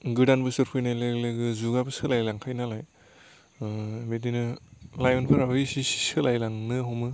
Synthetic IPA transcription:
ɡɯdanbɯsɯɾpʰɯjnajlɯɡlɯɡɯzuɡabɯsɯlajlaŋkʰajnalaj | bedinɯlajɔnpʰɯɾawɯjsisi̥sɯlajlaŋnɯɦɔmɯ

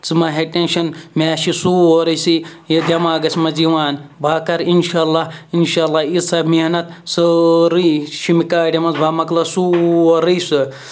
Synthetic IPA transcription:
t͡sɨmɐɦeʈenʃɐnmʲaːʃisuoɾɐsijɐd̪ʲɐmaːɡɐsimɐziʋaːnbʱaːkɐɾinʃaːlːaːinʃaːlːaːizsɐmihnɐt̪ | sɨɾiʃimikaːɖʲɐmɐzbaːmɐklɐsuːoɾijsɨ

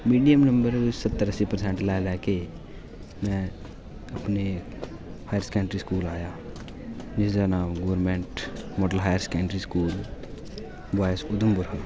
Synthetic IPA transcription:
miːɖijəmnə̃mbəɾʊsət̪ːəɾəsipəɾsẽːɳʈlɛːlɛːke | mɛ̃ | ɐpne | haːjəɾskɛ̃ːɳʈɾiskuːlaːjaː | nɪsd͡ʒanaːmɡoːəɾmẽːɳʈmɔːɖəlɦaːjəɾskɛ̃ːɳʈɾiskuːl | baːjsʊd̪ʊmbʊɾɦə

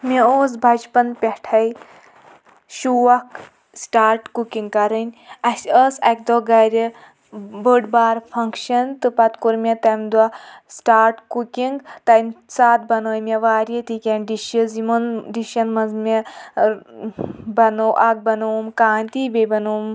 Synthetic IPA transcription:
mʲeoːs̬bʱɐd͡ʒpɐnpʲɛʈʰɐj | ʃuːʋɐk | sʈaːɾʈkukiŋɡkɐɾɨnʲɐsʲəsɐk̚d̪oɡɐɾʲɨ | bəɖbaːɾpʰɐŋkʃɐnt̪ɨpɐt̪kuɾmʲet̪ɐmʲd̪wasʈaːɾʈkukiŋɡt̪ɐjmʲsaːt̪̚bɐnoːjmʲeʋaːɾʲit̪ikʲenɖiʃəzimonɖiʃɐnmɐnzmʲe | bɐnoʔɐk̚bɐnoːmkaːnʲt̪ibʲebɐnoːm

